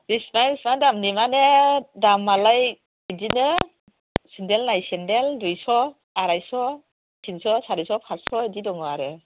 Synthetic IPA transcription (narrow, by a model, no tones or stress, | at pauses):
bismaɾismadamnimanedamːalaj | edinɯ | sindɛlnajsɛndeldujsɔ | aɾajsɔ | sʰinsɔsaɾisɔpʰasɔedidɔŋɔaɾe